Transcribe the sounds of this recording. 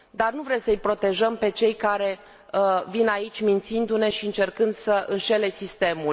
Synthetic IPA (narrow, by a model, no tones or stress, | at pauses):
d̪arnuvɾemsəjpɾo̞t̪e̞ʒəmpe̞t͡ʃe̞jkaɾe̞ | əvinait͡ʃʲmint̪sind̪une̞ʃiɨnt͡ʃe̞rkɨnd̪səʔɨnʃe̞le̞sist̪e̞mul